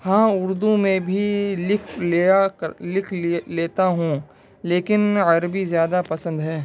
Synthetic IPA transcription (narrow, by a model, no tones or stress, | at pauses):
hãːʊɾd̪umẽbʱilɪkʰlealɪkʰleːt̪aɦũː | leːkɪnɐɾbizjaːd̪apɐsə̃nd̪ɦɛː